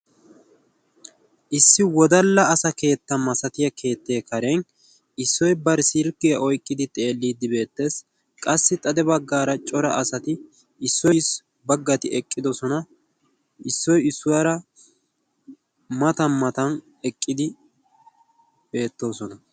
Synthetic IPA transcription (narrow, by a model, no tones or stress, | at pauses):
ʔɪsːɪwɔd̪ɐlːɐːsɐke̞ːt̪ːɐmɐsɐt̪ɪjɐkʰe̞ːt̪ːe̞ːkɐɾen | ɪsːɔjbɐɾsɪɾkːɪjɐʔɔjkʼːɪd̪ɪt̪ʼe̞ːlːiːd̪ɪbe̞ːt̪ːe̞ːs | kʼɐsːɪt̪ʼɐd̪ɛbɐɡːaːɾɐt͡ʃʼɔɾɐ̰ʔɐsɐt̪ɪ | ɪsːɔjs | bɐɡːɐt̪ɪɛkʼːɪd̪ɔsɔnɐ | ɪsːɔjɪsːʊwɐɾɐ | mɐt̪ɐnmɐt̪ɐn | ɛkʼːɪd̪ɪ | be̞ːt̪ːo̞ːsɔnɐ